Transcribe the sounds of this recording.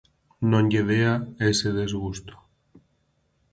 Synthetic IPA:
nõnʎeðeaeseðezɣust̪o̥

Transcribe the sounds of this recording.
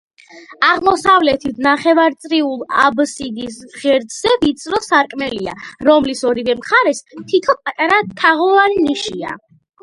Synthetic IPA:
aʁmɔsavlɛt̪ʰit̪ʰnaχɛvaɾt̪sʼɾiulˠa̰bsid̪isʁɛɾd̪zɛvit̪sʼɾɔsaɾkʼmɛlia̰ɾɔmlisɔɾivɛmχaɾɛst̪ʰit̪ʰɔpʼat̪ʼaɾat̪ʰaʁɔvanːiʃia̰

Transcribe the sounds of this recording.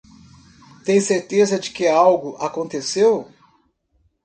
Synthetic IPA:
t̪ẽj̃seɾt̪ezɐd͡ʒɪkɪawɡʊʔakõnt̪esew

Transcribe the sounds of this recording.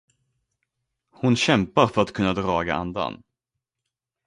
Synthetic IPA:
hʊnɕɛmpaɾfœɾat̪̚kʰɵnːad̪ɾɑːɡaʔa̰nd̪a̰n

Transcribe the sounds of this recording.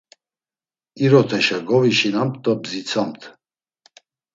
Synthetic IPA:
iɾɔt̪ʰɛʃaɡɔviʃinamt̪ʼːɔbzit͡sʰamt̪ʰ

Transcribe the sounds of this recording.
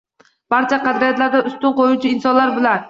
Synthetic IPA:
b̥ɑɾt͡ʃʰɛqæd̪ɾijat̪læɾd̪ɛʊst̪ʊnqojut͡ʃʰiːnsɒnlˠaɾbɪlæn

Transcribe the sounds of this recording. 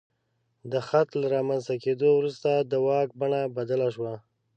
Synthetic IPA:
d̪əxat̪laɾɑmanzt̪aked̪owɾust̪ad̪əwɑk̚baɳabad̪alaʃwa

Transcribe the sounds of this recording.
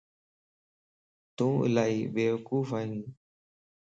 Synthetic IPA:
t̪ũːɪ̰laːiːbeːʋəkuːfaːɦĩː

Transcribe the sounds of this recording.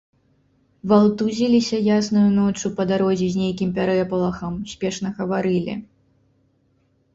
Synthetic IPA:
valˠt̪uzʲilʲisʲɐjasnujunɔt͡ʂupɐd̪aɾɔzʲizʲnʲejkʲimpʲaɾɛpɐlˠɐxɐmsʲpʲɛʂn̪ɐɣɐvaɾɨlʲḭ

